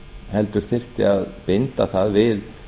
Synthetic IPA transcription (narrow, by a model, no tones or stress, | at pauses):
hɛlt̪ʏɾ̥θɪr̥t̪ɪ̰aðpɪnt̪aθaðvɪð